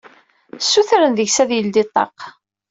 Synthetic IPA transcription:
sːuθɾənðəʝsæðjəld̪it̪ˤːɑ̰q

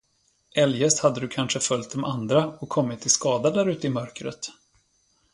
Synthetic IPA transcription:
ʔɛljɛst̪had̪ːəd̪ɵkʰanʂəfœljt̪̚d̪ɔmʔand̪ɾaɔkʰːɔmːɪt̪ʰːɪskɑːd̪ad̪æɾʉ̟ːt̪əɪmœɾkɾə̰t̪

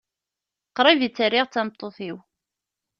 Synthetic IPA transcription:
qɾˤivit͡sːərːiʁt͡sːæmt̪ˤːoθiw

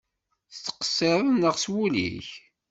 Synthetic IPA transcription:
θt͡sːə̥qə̥sːeðˤnəʁswulḭç

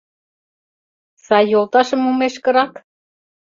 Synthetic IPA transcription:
sɑjːolˠt̪ɑʃə̆mumeʃkə̆ɾɑk

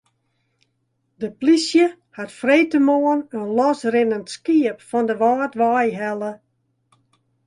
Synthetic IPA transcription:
dəplisjə | hatfrejtəmoənənlɔsrɪnəntskiəpfɔndəʋaːtʋajɦɛlˠə

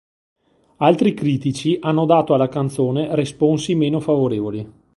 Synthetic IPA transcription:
alt̪ɾikɾiːt̪it͡ʃiʔanːod̪aːt̪oalːakant̪soːneresponsimeːnofavoɾeːvoli

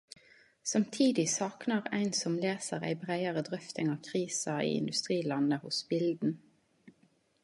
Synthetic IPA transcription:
sɑmt̪ʰiːd̪ɪsɑːknɑʁæ̰ɪnsɔmleːsəʁæ̰ɪbʁæɪɑʁəd̪ʁœft̪ɪŋɑːʋkʰʁiːsɑʔḭːɪ̰nd̪ʉst̪ʁiːlɑnəhʊsbɪld̪n̩

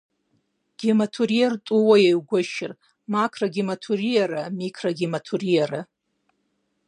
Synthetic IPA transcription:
ɡ̥ʲimatʰurijertʼuwajejwɡʷʊʃɪr | makʰraɡʲimatʰurijaɾamikʰraɡʲimatʰurijaɾa

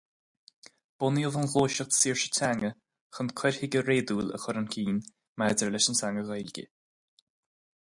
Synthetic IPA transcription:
b̥ʊniəvənɣoːʃəxt̪ʰsiːɹʃə̥tʰaŋə | xənkʰwɛɾhɪɡəɾeːd̪uːlə̰xʊɾənkʰiːn | madəɹlɛʃənsaŋəɣajlɡə̰

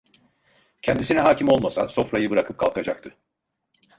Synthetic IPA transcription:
cʰɛnd̪isinɛɦaːcimo̞lˠmasa̰nso̞fɾajɯbɯɾakʰɯp̚kʰa̰lˠkʰad͡ʒak̚t̪ʰɯ

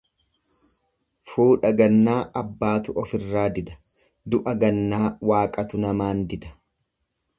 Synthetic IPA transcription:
fuːᶑɐɡɐnːaːʔɐbːaːt̪ʊʔɔfɪrːaːd̪ɪd̪ɐ̥ | d̪ʊʔɐɡɐnːaːwaːkʼɐt̪ʊnɐmaːnd̪ɪd̪ɐ̥

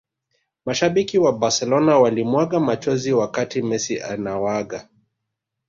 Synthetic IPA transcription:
maʃaɓikiwabaɾsɛlɔnawalimwaɠamat͡ʃɔziwakatimɛsiʔa̰nawaɠa

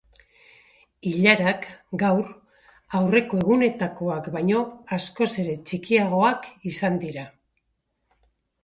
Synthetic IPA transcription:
iʎaɾakɡawɾ | awre̞ko̞e̞ɣune̞t̪ako̞akbajɲo̞asko̞se̞ɾe̞t͡ʃikiaɣ̞o̞akisand̪iɾa

